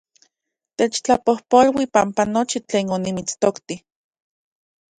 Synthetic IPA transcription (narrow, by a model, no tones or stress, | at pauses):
t̪et͡ʃt͡ɬapohpolwipampanot͡ʃit͡ɬeːnonimit͡st̪okt̪i